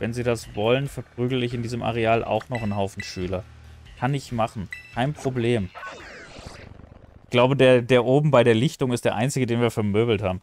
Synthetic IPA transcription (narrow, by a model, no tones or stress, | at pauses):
vɛnziːdasvɔlənfɛɐpʁ̥yːɡləɪçɪndiːzəmʔa̰ʁ̞eaːlʔa̰ʊxnɔχnɦaʊfn̩ʃyːlɐ | kʰanɪçmaχn̩kʰaɪnpʁ̥obleːm | ɡ̥laʊbədeːɐdeːɐʔoːbm̩baɪɾeːɐlɪçtʊŋɪstd̥eːɐʔaɪnt͡sɪɡədeːnviːɐfɛɐmøːbl̩thaːbm̩